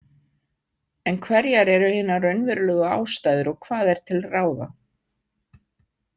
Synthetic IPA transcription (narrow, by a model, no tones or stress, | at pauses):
ɛnkʰvɛɾjaɾɛɾʏhɪːnːarœɥnvɪɾʏlœːɣʏa̰ːwst̪ajðʏɾɔɣkʰv̥aːðɛɾ̥t̪ʰɪlraːwða̰